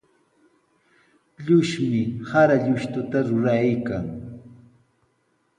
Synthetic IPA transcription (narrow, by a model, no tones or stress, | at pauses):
ʎʊʃmɪhaɾaʎʊʃt̪ʊt̪aɾʊɾajkaŋ